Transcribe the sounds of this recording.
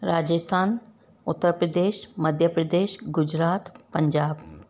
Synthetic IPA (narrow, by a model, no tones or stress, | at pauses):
ɾaːd͡ʒəst̪ʰaːn | ʊt̪ːəɾpɾəd̪eːʃməd̪ʱjəpɾəd̪eːʃɡʊd͡ʒɾaːt̪pə̃ɲd͡ʒaːb